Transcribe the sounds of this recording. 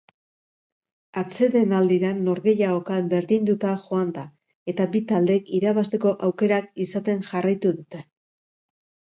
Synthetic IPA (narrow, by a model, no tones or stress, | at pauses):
at͡se̞ðe̞nald̪iɾanːo̞ɾɣe̞jao̞kambe̞ɾðind̪ut̪aʝo̞and̪a | e̞t̪abit̪ald̪e̞kiɾaβast̪e̞ko̞ʔawke̞ɾakisat̪e̞nʝarajt̪uðut̪e̞